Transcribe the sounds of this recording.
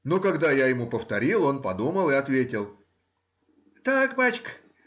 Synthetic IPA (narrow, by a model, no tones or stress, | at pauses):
nokɐɡd̪ajajɪmupəft̪ɐɾʲilˠo̞npɐd̪uməlˠɨɐt̪vʲetʲɪlˠ | t̪akbat͡ɕk